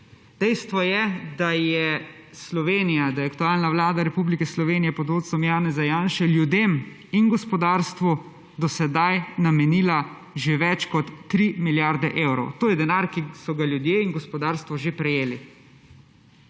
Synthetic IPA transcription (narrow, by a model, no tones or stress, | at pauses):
d̪̥ɛjst̪ʋɔjɛd̪ajɛ | slɔʋeːnijad̪ajɛakt̪uaːlnaʋlaːd̪aɾɛpublikɛslɔʋeːnijɛpɔd̪oːt̪sɔmjaːnɛzajaːnʃɛljud̪em | inɡɔspɔd̪aːɾst̪ʋu | d̪ɔsɛd̪ajnamɛniːla | ʒeʋɛt͡ʃkɔt̪ːɾimiljaɾd̪ɛʔeːwɾɔ̰wt̪oːjɛd̪ɛnaɾkisɔɡaljud̪jeːiŋɡɔspɔd̪aːɾst̪ʋɔʒepɾɛjeːli